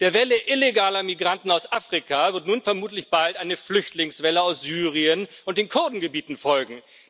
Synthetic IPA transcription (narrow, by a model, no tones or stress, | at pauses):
d̥eːɐvɛləʔɪleɡaːlɐmiɡʁantn̩aʊsʔaːfʁ̥ikʰavɪɐtnuːnfɛɐmuːtlɪçb̥altʔaɪnəflʏçtlɪŋsv̥ɛləaʊsz̥yːʁiənʔʊnt̚d̥eːnkʰʊɐdn̩ɡəbiːtn̩fɔlɡŋ̩